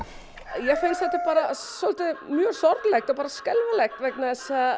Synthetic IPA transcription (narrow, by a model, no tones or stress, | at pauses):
jɛɣfejnstθɛt̪ːapaːɾasɔlt̪ɪmjœːɾ̥sɔɾt̪lɛxt̪ɔpaːɾaskɛlvalɛxt̪vɛknaɛsa